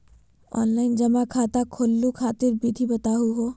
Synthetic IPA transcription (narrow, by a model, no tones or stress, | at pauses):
ɔ̰ːnlaɪnd͡ʒɐmakʰaːt̪akʰolːukʰaːt̪ɪɾbid̪ʱibɐt̪aɦuɦo